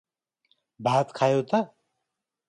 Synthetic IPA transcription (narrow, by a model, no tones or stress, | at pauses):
bʱaːt̪kʰajowt̪a